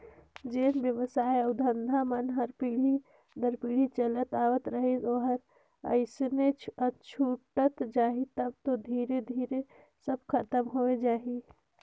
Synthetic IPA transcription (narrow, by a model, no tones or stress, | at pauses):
d͡ʒeːnbjəʋəsaːeəʊd̪ʱənd̪ʱamənɦəɾpiːɽ̤i | d̪əɾpiːɽ̤it͡ʃələt̪aːwət̪ɾəɦeoɦəɾ | ə̰ɪsneət͡ʃʰuːʈət̪d͡ʒaːɦit̪əb̚t̪od̪ʱiːɾed̪ʱiːɾe | səbkʰət̪əmɦoːed͡ʒaːɦi